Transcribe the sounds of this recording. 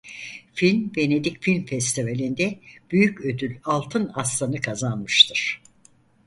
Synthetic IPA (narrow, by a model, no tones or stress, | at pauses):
filʲmbe̞ne̞d̪icfilʲmfɛst̪ʰivalʲind̪ɛb̥yjycø̞d̪ylʲalˠt̪ʰɯnaslˠanɯkʰazanmɯʃt̪ʰɯɾ̥